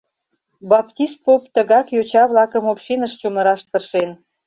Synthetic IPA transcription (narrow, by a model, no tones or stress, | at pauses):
bɑpt̪ʲist̪̚popt̪əɣɑkjot͡ɕɑβlɑkəmopɕinəʃt͡ɕoməɾɑʃt̪ərʃen